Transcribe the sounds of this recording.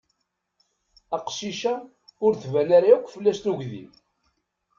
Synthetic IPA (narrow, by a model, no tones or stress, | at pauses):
æqʃiʃa | ʊɾθvænaɾaukʷːfəlːæst̪uʝðḭm